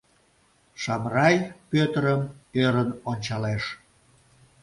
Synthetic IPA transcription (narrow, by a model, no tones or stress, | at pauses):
ʃɑmrɑjpøt̪əɾəmøɾənonʲt͡ɕɑleʃ